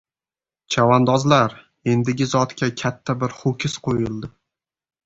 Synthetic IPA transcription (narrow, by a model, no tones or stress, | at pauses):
t͡ʃʰavand̪ɒzlaɾ | e̞nd̪ɪɡʲɪzɒt̪kʲakʲʰat̪ʰːabɪɾχʊkʲʰɪsqʰojɪlˠd̪ɪ